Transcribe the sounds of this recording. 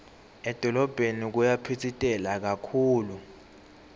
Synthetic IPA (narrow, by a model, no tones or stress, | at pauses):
ɛd̥ʱɔlɔb̥ʱenik̬ujapʰitʰitʼɛlak̬akʰuːlu